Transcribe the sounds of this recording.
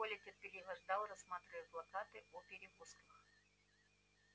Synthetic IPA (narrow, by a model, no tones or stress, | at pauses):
olʲetʲɪrpʲɪlʲiɣɐʐd̪alˠrɐsːmat̪ɾʲɪvəət̪plˠɐkat̪ɨɔpʲɪɾʲɪɣuskəx